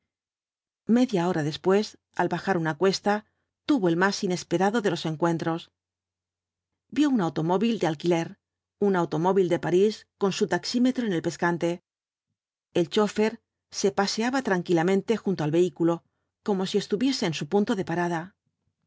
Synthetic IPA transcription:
me̞ðjao̞ɾaðe̞spwe̞s | alβaxaɾunakwe̞st̪a | t̪uβo̞e̞lmasine̞spe̞ɾaðo̞ðe̞lo̞se̞ŋkwe̞nt̪ɾo̞s | bjo̞unawt̪o̞mo̞βild̪ealkile̞ɾ | unawt̪o̞mo̞βild̪e̞paɾisko̞nsut̪aksime̞t̪ɾo̞ene̞lpe̞skant̪e̞ | elt͡ʃo̞fe̞ɾ | se̞pase̞aβat̪ɾaŋkilamẽ̞nt̪e̞xunt̪oalβe̞ikulo̞ | ko̞mo̞sie̞st̪uβje̞se̞ːnsupunt̪o̞ðe̞paɾaða

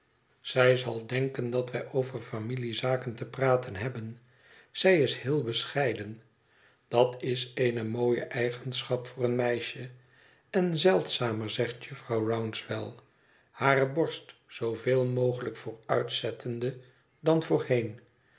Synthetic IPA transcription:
z̥ɛjzɑlˠdɛŋkəndɑtʋɛjʔowvəɹfamilizaːkəntəpraːtʰənɦɛbən | z̥ɛjɪshɪːlˠbəsχɛjdən | d̥ɑtɪsejnəmoːjə̰ʔɛjχənsχɑpfʊːrənmɛjʃə | ɛnzɛlˠtsaːməɹzɛχtjɵfrɑwrawnsʋɛlˠ | haːrəbɔɹstsowveːlˠmowχələkfʊːɹœɥtsɛtʰəndə | dɑnvʊːɹhejn

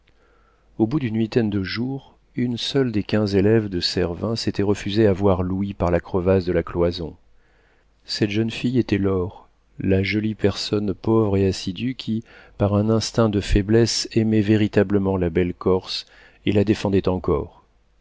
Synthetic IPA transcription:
obud̪ynwit̪ɛnd̪əʒuʁ | ynsœld̪ekʲɛ̃zelɛvd̪əsɛʁvɛ̃set̪ɛʁəfyzeavwaʁluwipaʁlakχəvasd̪əlaklwazɔ̰̃ | sɛt̪ʒ̥ənfijet̪ɛlɔʁ | laʒɔlipɛʁsɔnpɔvʁeasid̪ykʲʰipaʁɛ̃nɛ̃st̪ɛ̃d̪əfɛblɛsɛmɛveʁit̪abləmɑ̃labɛlkɔʁs | elad̪efɑ̃d̪ɛt̪ɑ̃kɔ̰ʁ

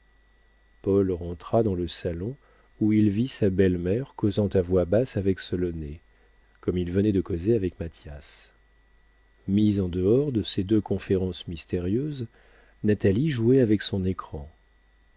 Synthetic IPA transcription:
pɔlʁɑ̃t̪χad̪ɑ̃ləsalɔ̃ | uilvisabɛlmɛʁkozɑ̃t̪avwabasavɛksɔlɔne | kɔmilvənɛd̪əkɔzeavɛkmat̪jas | mizɑ̃d̪əɔʁd̪əsed̪økɔ̃feʁɑ̃smist̪eʁjøz | nat̪aliʒuɛavɛksɔ̃nekχɑ̃

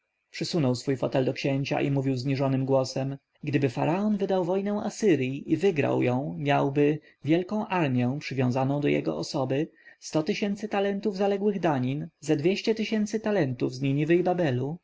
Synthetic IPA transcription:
pʂɘsunɔwsfujfɔt̪ɛld̪ɔkɕɛɲt͡ɕa̰ʔimuvʲiwzɲiʐɔnɘmɡwɔsɛm | ɡd̪ɘbɘfa̰ɾaɔnvɘd̪awvɔjnɛw̃asɘɾʲjiʔivɘɡɾa̰wjɔ̃w̃mʲjawbɘ | vʲjɛlkɔ̃w̃ʔaɾmʲjɛ̃pʂɘvʲjɔ̃w̃zanɔ̃w̃d̪ɔjɛ̰ɡɔ̰ɔsɔbɘst̪ɔt̪ɘɕɛnt̪sɘt̪alɛnt̪uvzalɛɡwɘɣd̪aɲinzad̪vʲjeɕt͡ɕɛt̪ɘɕɛnt̪sɘt̪alɛnt̪uvzɲiɲʲivɘjbabɛlu

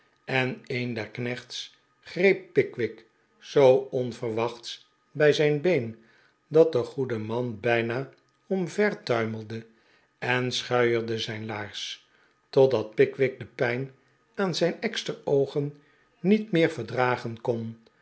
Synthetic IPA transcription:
ɛnejndɛɹknɛχts | χrejp̚ːɪkʋɪk | sowɔnvəɹʋɑχts | bɛjzɛjnbejn | dɑt̚dəχudəmɑnbɛjnaː | ɔmvɛɹtœɥməl̩ˠdə | ɛnsχœɥəɹdəzɛjnlaːɹs | tɔdɑt̚pɪkʋɪk̚dəpɛjn | aːnzɛjnɛkstəɹowχən | nːitmɪːɹvəɹdraːχənkɔn

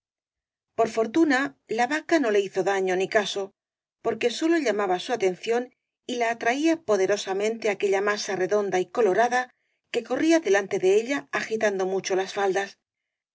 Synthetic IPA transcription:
poɾfo̞ɾt̪unalaβakano̞le̞iθo̞ðaɲo̞nikaso̞ | po̞ɾke̞so̞lo̞ʎamaβasuat̪e̞n̟θjo̞n | ilaːt̪ɾaiapo̞ðe̞ɾosamẽnt̪e̞ake̞ʎamasare̞ðo̞nd̪aiko̞lo̞ɾaða | ke̞ko̞riaðe̞lant̪e̞ðe̞eʎaːxit̪and̪o̞mut͡ʃo̞lasfald̪as

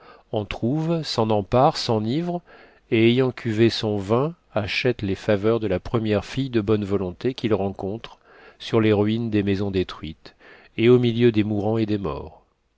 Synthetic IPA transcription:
ɔ̃t̪χuvsɑ̃nɑ̃paʁsɑ̃nivʁ | eːjɑ̃kʲʰyvesɔ̃vɛ̃ | aʃɛt̪lefavœʁd̪əlapχəmjɛʁfijd̪əbɔnvɔlɔ̃t̪ekʲilʁɑ̃kɔ̃t̪χ | syʁleʁɥind̪emezɔ̃d̪et̪χɥit̪ | eomiljød̪emuʁɑ̃ed̪emɔ̰ːʁ

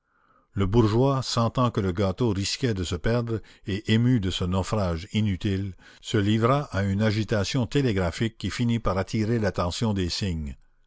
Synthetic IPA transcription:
ləbuʁʒwasɑ̃t̪ɑ̃kələɡat̪oʁiskʲɛd̪əsəpɛʁd̪ʁeʔemyd̪əsənɔfɾaːʒinyt̪il | səlivɾaʔaynaʒit̪asjɔ̃t̪eleɡʁafikʲːifinipaʁat̪ʰiʁelat̪ɑ̃sjɔ̃d̪eːsiɲ

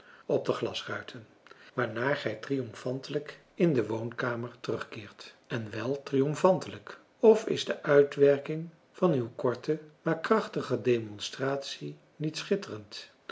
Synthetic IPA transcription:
ɔb̚dəχlɑsrœɥtʰən | ʋaːɹnaːɹχɛjtriɔmfɑntələk | ɪndəʋownkaːməɹtərɵχkɪːɹt | ɛnʋɛlˠtrijɔmfɑntələk | ɔfɪ̰zdəʔœɥtʋɛɹkɪŋ | v̥ɑnywkɔɹtəmaːɹkrɑχtəχədejmɔnstraːtsi | nitsχɪtərənt

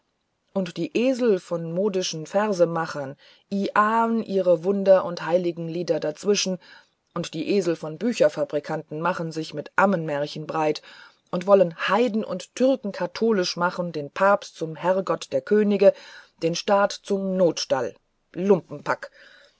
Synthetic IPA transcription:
ʔʊntd̥iːʔeːzl̩fɔnmoːdɪʃn̩fɛʁzəmaχɐn | ʔiːʔaːnʔiːʁəvʊndɐʔʊnthaɪlɪɡŋ̩liːdɐdat͡sv̥ɪʃn̩ | ʔʊntd̥iːʔeːzl̩fɔnbyːçɐfabʁikʰantn̩maχənzɪçmɪtʔamənmɛɐçən̩bʁaɪt | ʔʊntv̥ɔlənhaɪdn̩ʔʊ̰nttʰːʏʁkŋ̩kʰatʰoːlɪʃmaχn̩deːnpʰaːpstt͡sʊmɦɛɐɡɔtd̥eːɐkʰøːnɪɡəd̥eːnʃtaːtt͡sʊmnoːtʃta̰l | lʊmpm̩pʰak

